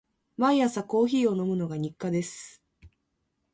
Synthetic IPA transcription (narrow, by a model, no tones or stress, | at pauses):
mãĩasako̞ːçiːo̞no̞mɯ̟no̞ɡaɲ̟ikːad̪e̞sɨ̥